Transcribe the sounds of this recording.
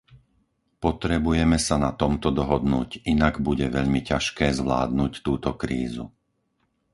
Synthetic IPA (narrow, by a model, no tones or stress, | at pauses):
pɔt̪ɾɛbujɛmɛsanat̪ɔmt̪ɔd̪ɔɦɔd̪nuːcinaɡbuɟɛʋɛʎmicaʃkɛːzʋla̰ːd̪̚nuːct̪uːt̪ɔkɾiːzṵ